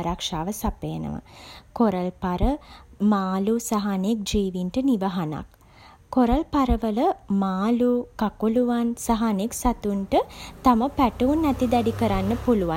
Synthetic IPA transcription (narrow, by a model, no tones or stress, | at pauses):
ɾakʂaːʋəsapeːnə̰ʋə̰koɾəlpaɾəmaːlusaɦanek̚d͡ʒiːʋinʈəniʋəɦana̰kː | oɾəlpaɾəʋələmaːlukakuluʋansaɦaneksat̪uɳʈət̪aməpæʈuunːɛt̪id̪ɛɖikəɾanːəpuluʋa